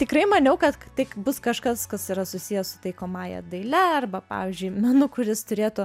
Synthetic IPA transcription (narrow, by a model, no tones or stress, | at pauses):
t̪ʲɪkɾɐɪmɐnʲɛʊkɐt̪t̪ʲɪkbʊskɐʃkɐskɐsiɾɐsʊsʲijɛssʊ̥t̪ɐɪkoːmɑːjɛ̰d̪ɐɪlʲɛrbɐpɑ̰ːʋʲiːzʲd͡ʒʲʊɪmʲɛnʊkʊɾʲɪst̪ʊɾʲeːt̪ʊ